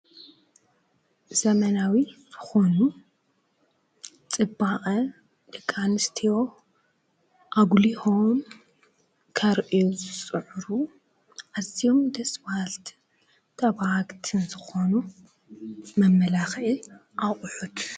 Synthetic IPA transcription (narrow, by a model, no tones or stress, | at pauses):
z̥ɐmɐnawizɨxo̞nu | t͡sʼɨbaʔʼɐ | d̪̥ɐkʼːanɨst̪ʰijo̞ | ʔaɡlihom | kʰɐɾʔijuzɨt͡sʼɨʕɾu | ʔazijo̞md̪ɐswalt̪ʰ | t̪ʰɐβhaɡt̪ʰɨnzɨxo̞nu | mɐmːɐlaxʔi | ʔakʼʊħut̪